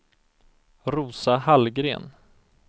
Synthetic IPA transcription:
ɾuːsahalɡɾḛːn

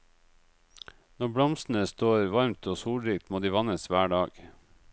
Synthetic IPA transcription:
nɔbɽɔmsn̩əst̪oːɾʋɑɾmt̪oːsuːɽɾiːk̚t̪moːd̪iːʋɑnəsʋæːɖɑːɡ̥

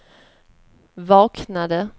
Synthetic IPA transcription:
vɑːknad̪ə

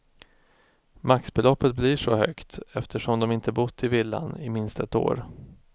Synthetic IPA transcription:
maksbɛlɔpːət̪̚bliʂɔhœ̰kt̪ɛft̪ʰəʂɔmd̪ɔmɪnt̪əbʊt̪ʰːɪvɪlːa̰nɪmɪnst̪ət̪o̰ːɾ

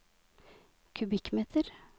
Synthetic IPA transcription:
kʰʉbɪkmeːt̪ʰəɾ

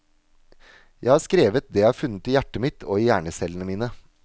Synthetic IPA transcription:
jæɪhɑːskɾeːʋət̪̚d̪ɛːjæɪhɑːfʉnət̪iːjæʈəmɪt̪ʰo̰ːiːjæːɳəsɛlənəmiːnə

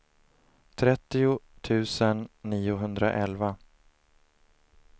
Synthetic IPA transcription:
t̪ʰɾɛt̪ːɪʊt̪ʰʉ̟ːsənːiːʊɦɵnd̪ɾa̰ʔɛlva

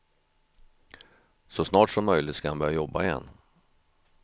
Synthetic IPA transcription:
sɔsnɑːʈʂɔmːœjlɪt̪skahanbœːɾjajɔbːaɪjɛ̰nː

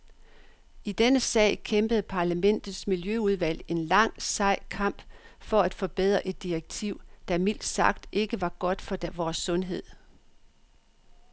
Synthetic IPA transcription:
id̥enəsɛ̰ɪ̰kʰemb̥əð̩ˠpʰɑ̈læmen̰d̥ð̩ˠsmiljøuð̞ˠʋæl̰e̝nlɑ̈ŋ̰sɑ̈ɪ̰kʰɑ̈m̰b̥fɒ̽æd̥fɒ̽b̥eð̰ˠʁɐʔe̝d̥ːiʁeɡ̥̚t͡sʰiʊ̰d̥ɑ̈mil̰d̥sɑ̈ɡ̥̚d̥ʔe̝ɡ̥əʋɑ̈ɡ̥ɒ̽d̥fɒ̽ʋɒːsːɔ̽nɦe̝ð̰ˠ

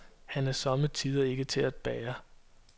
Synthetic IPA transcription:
hænæɐsɒ̽mət͡sʰiːð̞ˠɐe̝ɡ̥ət͡sʰe̝læd̥̚b̥ɛːɐ

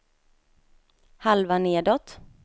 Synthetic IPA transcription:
halvaneːd̪ɔt̪

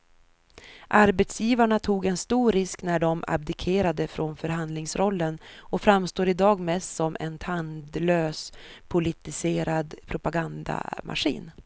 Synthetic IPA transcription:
ʔaɾbɛt̪sjiːvaɳat̪ʰuːɡɛnst̪uːɾɪsknæɖɔma̰b̚d̪ɪkʰeːɾad̪əfɾʔɔnfœɾɦand̪lɪŋsɾɔlːənɔfɾamst̪oːɾɪd̪ɑːɡmɛst̪sɔmɛ̰nt̪ʰand̪løːspʰʊlɪt̪ɪseːɾad̪pʰɾʊpaɡand̪a̰ma̰ɧḭːn

